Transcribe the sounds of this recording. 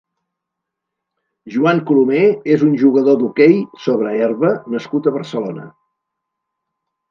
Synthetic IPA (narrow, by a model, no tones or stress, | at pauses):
ʒuaŋkulumeezunʲʒuɣəðod̪ukejsoβɾəɛrβənəskut̪əβərsəlonə̰